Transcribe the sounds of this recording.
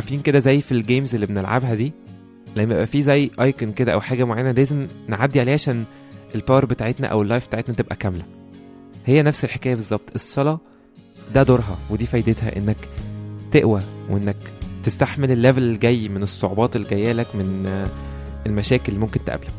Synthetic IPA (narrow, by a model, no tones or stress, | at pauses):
ʔɑʕɾˤfiːnked̪æzæjːfilɡeːmzelːibenelʕa̰bɦæd̪iː | læjmḛbʔæfizæjːʔɑjkenked̪æʔæ̰wħaːɡæmoʕajænælæːzemnʕad̪ːiʕaleːhʕaʃæːn | ʔelpɑwɾˤbet̪aʕet̪næ̰ʔæ̰welːɑjfbet̪aʕet̪næt̪ebʔæ̰kæmlæ | hejːænæfselħe̥kæːjæbezˤːɑb̚t̪ˤʔesˤːɑlɑ | d̪æd̪oɾˤɦɑ̰wed̪iːfæjd̪et̪hæ̰ʔenːækt̪eʔwæweʔenːækt̪est̪aħmelelːævællɡæjːmenesˤːoʕobɑːt̪elːiɡæjːæːlækmen | elmæʃæːkelːimomkent̪ʔæ̰blæk